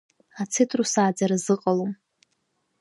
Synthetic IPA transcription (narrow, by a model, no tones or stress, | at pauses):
at͡sʰetʰrusaːd͡zaɾazɨqʼalom